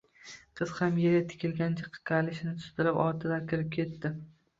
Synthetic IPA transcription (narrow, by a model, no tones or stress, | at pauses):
qʰɨz̥hamjeɾɪt̪ʰɪ̥kʲɪlɡʲant͡ʃʰaqʰːɨ̥kʲʰalɪʃɪnɪt̪ʰʊ̥st̪ɪɾɪpɒɾt̪ʰɪd̪akʲɪɾɪp̚kʲʰe̞t̪ːɪ